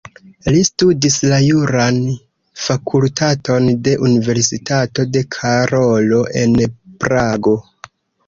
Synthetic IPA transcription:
listudislajuɾan | fakʰultʰatʰo̞nde̞ʔunive̞ɾsitato̞de̞kʰaɾo̞lo̞ʔe̞̰npɾaɡo̞

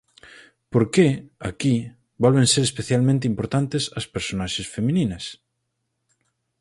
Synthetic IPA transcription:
poɾkeaki | balβẽnseɾespeθjalmẽnt̪̬eimpoɾt̪ant̪esɐspeɾsonaʃesfemĩnĩnɐs

